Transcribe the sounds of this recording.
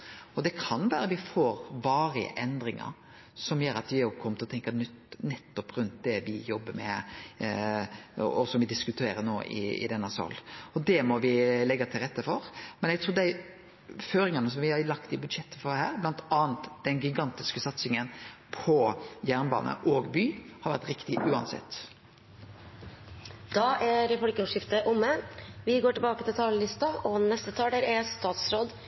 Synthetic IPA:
ɔd̪ɛkʰɑnʋæːɾəʋɪfoːɾʋɑːɾɪə̰ʔɛnd̪ɾɪŋə̰ɾ | sɔmjøːɾɑt̪ʋɪjokʰɔmːət̪ɪlɔt̪ʰɛŋkənʉ | nɛt̪ːɔpɾʉnt̪̚d̪ɛʋɪjɔbːəɾmɛ̰ | ɔsɔmʋɪd̪ɪskʉt̪ʰeːɾənoːʔɪ̰ɪ̰d̪ɛnːɑsɑ̰lːɔd̪ɛmɔʋɪlɛɡːɑt̪ʰɪlɾɛt̪ːəfɔɾmɛnɛɡ̚t̪ʰɾuːd̪æɪ | føːɾɪŋɑnəsɔmʋɪhɑlɑkt̪ɪbʉd̪ʂɛt̪ːə̥fɔɾhæ̰ːʁblɑnt̪ʰɑːnt̪d̪̥ɛnɡɪɡɑnt̪ɪskəsɑt̪sɪŋənpʰɔjæːʁnbɑ̰ːnə̰ʔɔːɡbyːhɑɾʋæ̰ʁt̪ɾɪkt̪ɪʔʉːɑ̰nsɛ̰t̪ː | d̪̥ɑʔæɾfɔlkəuʂɪft̪əʔʊmːəʋɪɡoːʈɪlbɑːkət̪ɪlt̪ʰɑːləlɪst̪ɑʔɔnɛst̪ət̪ʰɑːld̪æɾæst̪ɑːt̪sɾoːd̪

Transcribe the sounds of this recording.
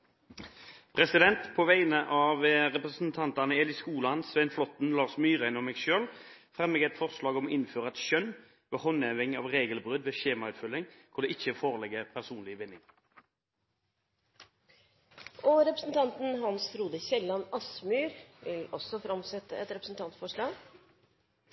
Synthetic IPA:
pʰʁɛsɪd̪ɛnt̪pʰoːʋæɪnəʔɑʋəʁɛpʁəsn̩t̪ʰɑnt̪ɑnəɛːlɪskuːlɑnsʋɛnflɔt̪n̩lɑːʁsmyːʁæɪnɔmɛːɡʃøːlfʁɛmːɛɡɛt̪fɔʁslɑːɡɔmɔʔɪnføːʁəɑt̪ɕœn | ʋɑhɔnɛʋɪŋːɪɑ̰ːʋʁeːɡəlbʁʉd̪ʋeːɕeːmɑʉːt̪fʏlːɪŋkʰʊʁd̪ɛʔɪçːəfoːʁəlɛɡəʁpʰæʁsuːnlɪʋɪnːɪŋ | ʔɔɾɛpɾəsn̩t̪ʰɑnt̪n̩ɦɑnsɾuːd̪əçɛlːɑnɑsmyːɾʋɪlɔsɔfɾɑmsɛt̪ːəɛt̪ɾɛpɾəsn̩t̪ʰɑnt̪fɔʂɭɑːɡ

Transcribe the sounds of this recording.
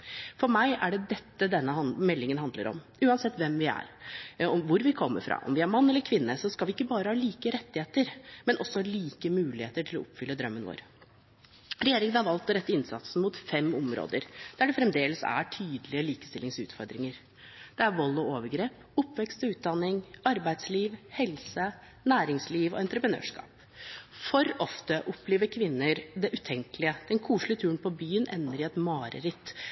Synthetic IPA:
fɔɾmæɪæɖɛd̪ɛt̪ːəd̪ɛnːəhɑmɛlːɪŋənɦɑnd̪ləɾɔ̰m | ʉːɑnsɛt̪ːʋɛmʋɪæ̰ɾɔʋʊɾʋɪkʰɔmːə̰ɾfɾɑ̰ːʔɔ̰mʋɪæɾmɑnːɛlːəɾkʰʋɪnːəsɔskɑlʋɪɪkːəbɑːɾəhɑːliːkəɾɛt̪ːɪheːt̪əɾmɛnʔɔsːɔhɑɭiːkəmʉːlɪheːt̪əʈʰɪlɔ̰ɔpfʏlːəd̪ɾœmːənʋo̰ːɾ | ɾɛjeːɾɪŋənhɑɾʋɑlt̪ɔɾɛt̪ːəɪnsɑ̰t̪sn̩mʊt̪fɛmɔmɾo̰ːd̪əɾd̪̥æɖɛfɾɛmd̪eːləsæ̰ʈʰyːd̪əlɪəliːkə̥st̪ɪlɪŋsʉ̰ːt̪fɔɾd̪ɾɪŋəɾ | d̪̥ɛæɾʋɔlːɔoːʋəɾɡɾeːp | ʊpːʋɛkst̪ɔʉːt̪̚d̪ɑnːɪŋɑɾbæɪd̪sliːʋhɛlsə | næːɾɪŋsliːʋɔ̰ɛnt̪ɾəpɾənø̰ːʂkɑ̰ːp | fɔɾɔft̪əʔɔpleːʋəɾkʰʋɪnːəɾd̪ɛʔʉt̪ʰɛŋkəlɪəd̪̥ɛnkʰuːʂlɪət̪ʰʉːɾənpʰɔbyːənʔɛ̰nːəɾɪɛt̪mɑːɾə̰ɾɪt̪ː

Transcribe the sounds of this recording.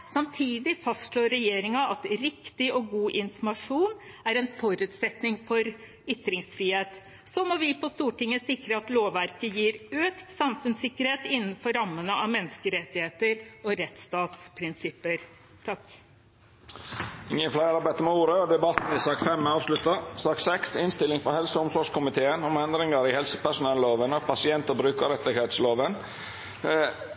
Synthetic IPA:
sɑmt̪ʰiːd̪ɪfɑst̪ʂɭoːɾɛjeːɾɪŋɑʔɑt̪ɾɪkt̪ɪʔɔɡuːʔɪnfɔmɑʂuːn | æɾɛnfɔɾʉːt̪sɛt̪nɪŋfɔɾ | ʏt̪ːɾɪŋsfɾiːheːt̪ | sɔmɔʋɪpʰɔst̪uːʈɪŋːəsɪkɾəɑt̪loːʋʋæɾkəjiːɾøːkt̪sɑmfʉnsɪkːəɾheːt̪ɪnːn̩fɔɾɑmːənəʔɑʋmɛnːskəɾɛt̪ːɪheːt̪əɾɔɾɛt̪st̪ɑːt̪spʰɾɪnsɪpːəɾ | t̪ʰɑk | ɪŋːənflæɪɑɾbæɪt̪əmɛuːɾəɔd̪ɛbɑt̪n̩ɪsɑːkfɛmɑːʋslʉt̪ɑsɑːksɛksɪnst̪ɪlɪŋfɔɾhɛlsəʊmsʋɑːʂkʊmɪt̪ʰeːənɔmɛnd̪ɾɪŋəɾɪhɛlsə̥pæʂʊnɛlloːʋənɑʋpʰɑsɪɛnt̪əbɾʉːkəɾɛt̪ːɪɡheːt̪sloːʋən

